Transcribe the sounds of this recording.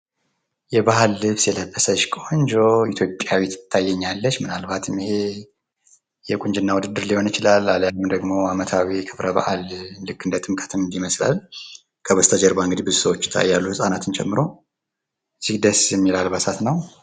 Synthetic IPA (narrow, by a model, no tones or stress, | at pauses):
jɛbahalːɨβsjɛləbːəsəʃkʼoɲd͡ʒo̞it̪ʰjo̞pʼːjawit̪ʰt̪ʰːajːɛɲːalːət͡ʃːmɨnalbat̪ʰɨmihe̞ | jɛkʼuɲd͡ʒɨnːawud̪ɨd̪ːɨɾliho̞nɨt͡ʃɪlalːaljamd̪əɡmo̞amət̪ʰawikʰɨβɾəba̰ʔalːɨkːɨnd̪ət̪ʼɨmkʼə̥t̪ɨmɨnd̪iməsla̰l | kʰəβəst̪ʰəd͡ʒɛɾbaɨŋɡɨd̪ibɨzusəwot͡ʃːt̪ʰaa̰jːalːuhɨsʼanat̪ʰɨnt͡ʃʼɛ̰mːɨɾo̞ | ɨzːihd̪əsjɛmːilalbasat̪nəw